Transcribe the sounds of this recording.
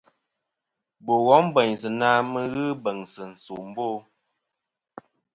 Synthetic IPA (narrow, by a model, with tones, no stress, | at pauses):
bo˨ɣɔ˨˦m˦bɛ˨ɲsɨ˨naː˦mə˦ɣɨ˦bə˨ŋsə˨n̩˨so˨m̩˦boː˦